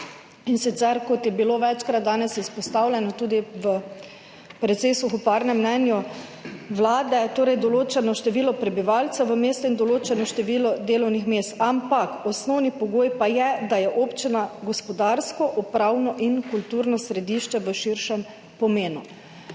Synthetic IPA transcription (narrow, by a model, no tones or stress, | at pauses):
insit̪sɛɾkɔt̪jɛbiloːʋɛt͡ʃkɾad̪̚d̪aːnɛsispɔst̪aːwlʲɛnɔt̪uːd̪iʋə | pɾɛt̪sesuxupaɾnɛmːnɛnju | ʋlaːd̪ɛt̪oːɾɛjd̪ɔloːt͡ʃɛnɔʃt̪ɛʋiːlɔpɾɛbiʋalt̪sɛʋəmeːst̪ɔind̪ɔloːt͡ʃɛnɔʃt̪ɛʋiːlɔd̪eːlɔwnixmeːst̪ampakɔsnɔwnipɔɡoːjpajɛd̪ajɛʔoːpt͡ʃinaɡɔspɔd̪aːɾskɔʔupɾawnɔʔinkult̪uːɾnɔsɾɛd̪iːʃt͡ʃɛʋəʃiɾʃɛm | pɔmeːnu